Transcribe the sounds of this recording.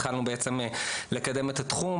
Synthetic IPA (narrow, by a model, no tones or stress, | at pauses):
χalnubeʔet͡se̞mle̞kad̪e̞met̪at̪χum